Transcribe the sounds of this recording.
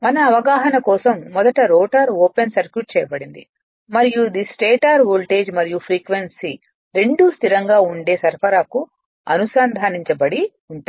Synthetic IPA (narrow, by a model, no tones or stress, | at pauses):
mɐnɐːʋɐɡaːɦɐnɐkɔːsɐmːɔd̪ɐʈɐɾoːʈɐɾoːpensɐɾkjuʈ̚t͡ʃɛːjɐbɐɽind̪i | mɐɾijud̪isʈeːʈaːɾʋoːlʈeːd͡ʒmɐɾijupʰɾiːkʋensi | ɾe̞ɳɖust̪ʰiɾɐŋɡaːuɳɖe̞ːsɐɾpʰɐɾaːku | ɐ̰nusaːnd̪ʱaːniɲt͡ʃɐbɐɽi | uɳʈa